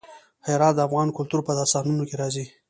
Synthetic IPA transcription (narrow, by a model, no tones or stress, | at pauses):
heɾɑt̪̚d̪əafɣɑnkʊlt̪uɾpəd̪ɑsɑnunokeɾɑzi